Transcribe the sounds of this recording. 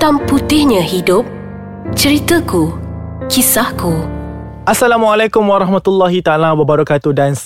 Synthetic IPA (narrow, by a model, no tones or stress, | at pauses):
t̪amput̪ɪhɲə̃hidʊp̚ | t͡ʃəɾit̪əkukisahku | ʔasːalamualakʊmwaɾɑɦmat̪ulːaɦit̪aalawabaɾɔkat̪udans